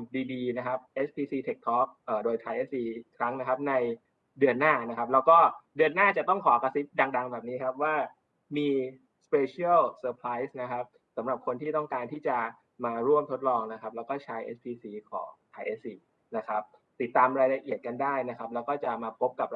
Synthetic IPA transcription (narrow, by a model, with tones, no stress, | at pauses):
diː˧diː˧na˦˥kʰa˦˥p̚ʔe˦˥s̚pʰiː˧siː˧t̪ʰe˨˩k̚t̪ʰɔː˦˥k̚ʔəː˨˩doː˧jt̪ʰaː˧jʔe˦˥siː˧kʰɾa˦˥ŋna˦˥kʰa˦˥p̚na˧j | dɯ˧ənːaː˥˩na˦˥kʰa˦˥p̚lɛː˦˥wkɔː˥˩dɯ˧ənːaː˥˩t͡ɕa˨˩t̪ɔ˥˩ŋkʰɔː˩˦ka˧si˦˥t̪̚da˧ŋda˧ŋbɛː˨˩p̚niː˦˥kʰa˦˥p̚waː˥˩ | miː˧ | speː˧t͡ɕʰi˦˥a˥˩lsɤː˧pʰɾaː˦˥jsna˦˥kʰa˦˥p̚ | sa˩˦mɾa˨˩p̚kʰo˧nt̪ʰiː˥˩t̪ɔ˥˩ŋkaː˧nt̪ʰiː˥˩t͡ɕa˨˩ | maː˧ɾu˥˩əmt̪ʰo˦˥t̪̚lɔː˧ŋna˦˥kʰa˦˥p̚lɛː˦˥wkɔː˥˩t͡ɕʰa˦˥jʔḛ˦˥s̚pʰiː˧siː˧kʰɔ̰ː˩˦ŋt̪ʰaː˧jʔe˦˥siː˧ | na˦˥kʰɾa˦˥p̚t̪i˨˩t̪ːaː˧mɾaː˧jla˧ʔi˨˩ət̪̚ka˧ndaː˥˩jna˦˥kʰa˦˥p̚lɛː˦˥wkɔː˥˩t͡ɕa˨˩maː˧pʰo˦˥p̚ka˨˩p̚